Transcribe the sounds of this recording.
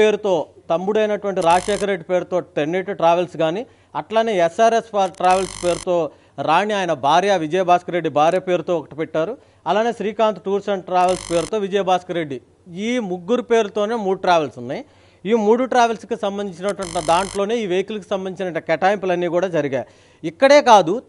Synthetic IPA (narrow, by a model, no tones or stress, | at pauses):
eːɾut̪o̞ːt̪ɐmːuɽɐjnɐʈuʋɐɳʈiɾaːd͡ʒʂɛːkʰɐɾeɖːipe̞ːɾut̪o̞ːʈ̪enːeʈːuʈɾaːʋelsɡaːni | ɐʈlaːneːɛsːaːɾespaːʈɾaːʋelspe̞ːɾut̪o̞ː | ɾaːniaːjɐnɐbʱaːɾjɐʋid͡ʒɐjɐbʱaːskɐɾeɖːibʱaːɾjɐpe̞ːɾut̪o̞ːɔkɐ̥ʈipɛʈːaːɾu | ɐlaːne̞ːʃɾiːkaːnt̪ʈuːɾsɐɳʈʈɾaːʋelspeːɾut̪o̞ːʋid͡ʒɐjɐbʱaːskɐɾeɖːi | iːmuɡːuɾupe̞ːɾut̪o̞ːne̞ːmuːɽuʈɾaːʋelsunːaji | iːmuːɽuʈɾaːʋelskisɐmbɐnd̪iɲt͡ʃinɐʈuʋɐɳʈd̪aːɳʈlo̞ːne̞ːiːʋejɐkulɐkusɐmbɐnit͡ʃinɐʈːɐkɛʈaːjmpulɐnːiːkuːɽaːd͡ʒɐɾiɡaːi | ikːɐɽe̞ːkaːd̪u